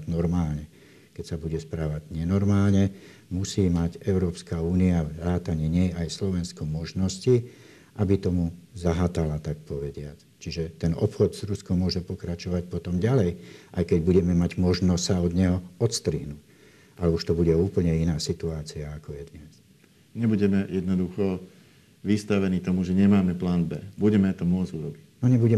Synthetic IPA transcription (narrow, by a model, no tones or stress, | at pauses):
nɔɾmaːlɲɛ | kɛcsabuɟɛspɾaːʋaɟɲɛnɔɾmaːlɲɛ | musiːmaɟɛʊɾɔːpskauːniaɾaːt̪aɲɛɲɛjajslɔʋɛnskɔmɔʒnɔsci | ʔabit̪ɔmuzaɦat̪alat̪ak̚pɔʋɛɟɪat͡s | t͡ʃiʒɛt̪ɛnɔpxɔd̪z̥ɾuskɔmːʊɔʒɛpɔkɾat͡ʃɔʋac̚pɔt̪ɔmɟalɛjʔajkɛɟbuɟɛmɛmaɟmɔʒnɔstsaɔd̪ɲɛɦɔɔt̪st̪ɾiːnu | ʔalɛuʃt̪ɔbuɟɛuːpl̩ɲɛinaːsit̪uaːt͡siaːkɔjɛd̪ɲɛs | ɲɛbuɟɛmɛjɛd̪nɔd̪uxɔ | ʋist̪aʋɛniːt̪ɔmuʒɛɲɛmaːmɛplaːnbɛbuɟɛmɛt̪ɔmʊɔd͡zuɾɔbicnɔɲɛbuɟɛ